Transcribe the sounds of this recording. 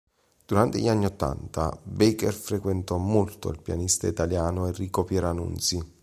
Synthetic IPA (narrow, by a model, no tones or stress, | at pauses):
d̪̥uɾant̪eʎanːiot̪ːa̰nt̪a̰bekɛrfɾekwent̪ɔmolt̪o̰ilpja̰nist̪ait̪aljaːnoerːiːkopjɛɾanṵnt̪si